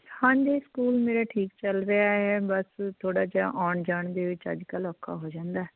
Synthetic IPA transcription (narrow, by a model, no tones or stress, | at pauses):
hãːnd͡ʒeːskuːlmeːɾaːʈʰiːkt͡ʃəlɾəaːɦɛːbəst̪ʰoːɽaːd͡ʒaːʔaːɳd͡ʒaːɳd̪eːʋɪt͡ʃə̰d͡ʒkəlɔːkʰːa̰ːɦoːd͡ʒãːnd̪aːɛː